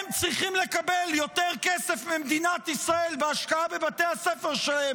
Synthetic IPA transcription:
mt͡sʁiχimle̞kabeljo̞t̪eʁkesefmimd̪inat̪isʁae̞lbeaʃkaabebat̪e̞jhasefeʁʃelahe

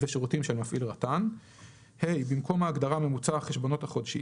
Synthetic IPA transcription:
veʃeʁutimʃelmafʔilʁatan | hejbimko̞maːɡd̪aʁame̞mut͡saχeʃbo̞no̞t̪haχo̞dʃi

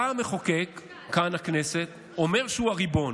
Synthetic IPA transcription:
ameχokekː | anakne̞se̞t̪ | ome̞ʁʃeuaʁibo̞n

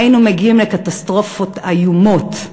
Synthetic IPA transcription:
inumeɡiimlekat̪ast̪ʁo̞fot̪ajumo̞t̪

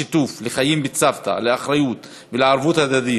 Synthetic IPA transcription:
it̪ufleχajimbet͡savt̪a̰leaχɾajut̪ | veleʕaɾvut̪had̪ad̪i

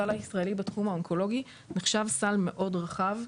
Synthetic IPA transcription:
alaisʁɐe̞libatχumaonkʰo̞lo̞ɡi | neχʃavsalme̞ʔo̞dʁaχav

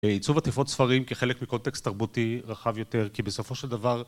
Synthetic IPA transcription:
eit͡suvat̪ifo̞tsfaʁimkeχe̞lekmikont̪ekst̪ːaʁbutiʁaχavjo̞t̪e̞ʁkibeso̞fo̞ʃeld̪avaʁ

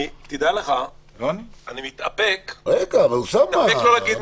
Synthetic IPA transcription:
t̪id̪aleχajonianimit̪apekʁeɡavausamːaeklolaɡid̪

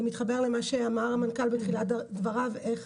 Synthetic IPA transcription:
mitχabe̞ʁle̞maʃeamaʁamankalbetχiladvaʁaveχ

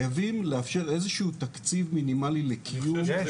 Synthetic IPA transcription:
javimleafʃe̞ʁe̞zeʃuut̪akt͡sivminimalilekʰijum

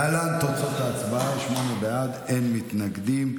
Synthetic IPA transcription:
alant̪ot͡so̞t̪aːt͡sbaaʃmo̞nebead̪enmit̪naɡd̪im

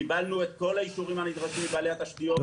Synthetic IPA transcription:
ibalnuet̪ko̞laiʃuʁimhanid̪ʁaʃimibaːlehat̪aʃt̪io

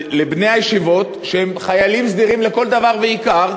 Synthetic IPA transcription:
lebne̞jhajeʃivo̞t̪ | ʃehemχajalimsd̪iʁimle̞ko̞ld̪avaʁveikaʁ

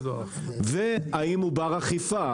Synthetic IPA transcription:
veaimubaʁaχifa

